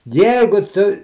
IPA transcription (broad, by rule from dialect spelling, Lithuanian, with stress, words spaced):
ˈjɛɪɡʊ ˈtʊ